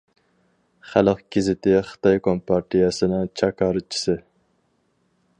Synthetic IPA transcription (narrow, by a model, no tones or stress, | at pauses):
χælˠəq̚ɡ̥ʲɪzɪt̪ʰɪχə̥t̪ɑjkʰompʰɑɾt̪ʰijɛsɪnɪŋt͡ʃʰɑkʰɑːɾɨt͡ʃʰi̥sɪ